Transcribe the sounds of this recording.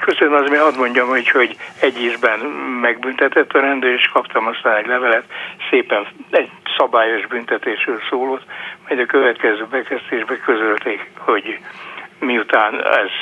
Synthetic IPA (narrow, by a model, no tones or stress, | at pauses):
køsønmɒzmeːnɒd̪mo̞ɲɟɒmuːcho̞ɟɛɟːiːzbɛnmɛɡbynt̪ɛt̪ɛt̪ːɒɾɛnd̪øːɾeːʃkɒpt̪ɒmɒst̪aːnɛɟlɛvɛlɛt̪seːpɛnɛɟ | sɒbaːjo̞ʒbynt̪ɛt̪eːʃrøːlsoːloːt̪mɛjd̪ɒkø̞vɛt̪kɛzøːbɛkɛzt̪eːʒbɛkøzølt̪eːkho̞ɟ | miut̪aːnɛ̰z̥